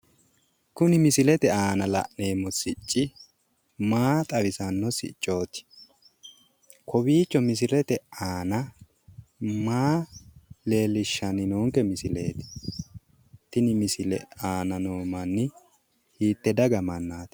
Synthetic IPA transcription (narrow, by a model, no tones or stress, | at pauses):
kʊnɪmɪsɪlɛt̪ɛaːnɐlɐ̰ʔne̞ːmɔsɪt͡ʃʼːɪ | maːt̪ʼɐβɪsɐnːɔsɪ̰t͡ʃʼːo̞ːt̪ɪ̥ | kʰɔbiːt͡ʃːɔmɪs̬ɪɾɛt̪ɛaːnɐ | maː | le̞ːlːɪʃːɐnɪnoːŋkɛmɪsɪle̞̰ːt̪ɪ̥ | t̪ːɪnɪmɪsɪlɛ̰aːnɐnoːmɐnːɪ | hiːt̪ːɛd̪ɐɡɐmɐnːaːt̪